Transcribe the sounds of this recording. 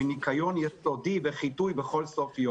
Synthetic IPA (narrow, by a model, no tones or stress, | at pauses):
inikajonjɛsod̪iveχit̪ujbeχo̞lsofjo